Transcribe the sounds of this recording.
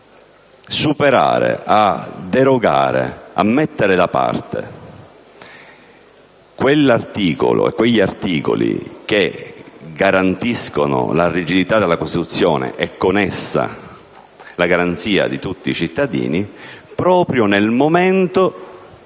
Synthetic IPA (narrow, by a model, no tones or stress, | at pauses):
supeɾa̰ːɾḛad̪eɾoɡa̰ːɾḛa̰mːɛt̪ːeɾɪd̪apa̰rt̪ḛ | kwelːart̪iːko̰lo̰ḛkːweʎːiart̪iːko̰lḭk̟e | ɡaɾant̪iskonʊ̰larid͡ʒid̪it̪ad̪elːakost̪it̪ut̪sːjɔːnḛʔɛkːonɛsːa̰ | laɡaɾant̪siːa̰d̪it̪ut̪ːiːt͡ʃit̪ːad̪ḭːnipɾɔːpɾjonelmoment̪o